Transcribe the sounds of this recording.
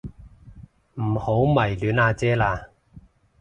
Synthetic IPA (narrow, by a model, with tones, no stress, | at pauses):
m̩˨˩ho˨˥wmɐ˨˩jlyː˨˥naː˧t͡sɛː˦˥laː˧